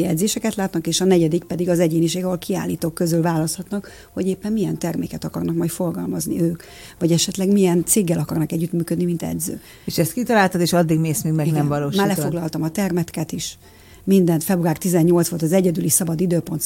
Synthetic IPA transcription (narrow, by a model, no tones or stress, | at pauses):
ɛd̪zeːʃɛkɛt̪laːt̪nɒkeːʃɒnɛɟɛd̪ik̚pɛd̪iɡɒzɛɟeːniʃeːɡɒɦolkʰia̰ːlːiːt̪oːkːø̞zylvaːlɒst̪hɒt̪nɒk | ho̞ɟeːpːɛmːijɛnt̪ɛrmḛːkɛt̪ɒkɒrnɒkmɒjt̪fo̞rɡɒlmɒznḭøːk | vɒɟɛʃɛt̪lɛɡmijɛnt̪seːɡːɛlɒkɒrnɒkɛɟːyt̪myːkød̪nimint̪ɛ̰d̪zø̰ː | eʃɛst̪kit̪ɒlaːlt̪ɒd̪eːʃɒd̪ːiɡmeːsmiːɡmɛɡnɛmvɒloːʃmaːrlɛfo̞ɡlɒlt̪ɒmɒt̪ɛrmɛt̪kɛt̪iʃ | mind̪ɛnt̪fɛbruaːrt̪izɛɲːo̞lt̪sʋo̞lt̪ɒzɛɟɛd̪ylisɒbɒd̪id̪øːpo̞nt̪